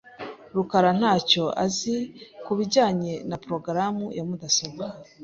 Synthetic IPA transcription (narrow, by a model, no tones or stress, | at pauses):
ɾukaɾan̥haːco̞a̰zikuβiɟaːɲe̞napɾo̞ɡɾamujamudasoβa